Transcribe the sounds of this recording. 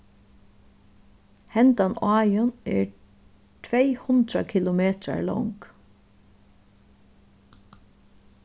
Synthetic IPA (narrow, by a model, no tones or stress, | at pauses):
hɛnt̪anɑːjʊnɛ̰ɹ | t̪ʰvɛjhʊnt̪ɾa̰kʰɪlʊmeːt̪ɾa̰ɹlɔ̰wŋk